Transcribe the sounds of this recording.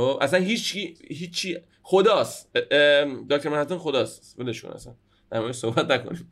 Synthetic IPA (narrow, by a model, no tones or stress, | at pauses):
oʔæ̰sænɦiːt͡ʃʰiɦiːt͡ʃʰːiː | xod̪ɒːs | d̪ɒːkt̪ʰoɾmæɾhæt̪onxod̪ɒːs | veleʃṵnʔæ̰sæn | d̪̥æɾmɒːjeʃsohbæt̪næko̰nim